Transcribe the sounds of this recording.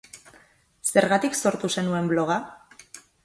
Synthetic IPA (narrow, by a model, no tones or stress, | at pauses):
se̞ɾɣat̪ikso̞ɾt̪use̞nue̞mblo̞ɣ̞a